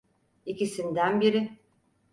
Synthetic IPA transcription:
icisind̪ænbiɾɪ

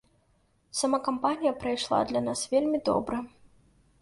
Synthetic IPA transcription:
sɐmakɐmpanʲijɐpɾɐjʂlˠa̰d̪lʲɐnasvʲelʲmʲid̪ɔ̰bɾɐ

